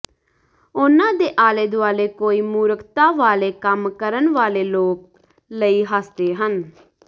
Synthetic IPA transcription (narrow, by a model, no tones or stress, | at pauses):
ʊnãːd̪eːʔaːleːd̪ʊaːleːkoːiːmuːɾəkt̪aːʋaːleːkəmkəɾənʋaːleːloːk̚ | ləiːɦəːst̪eːɦən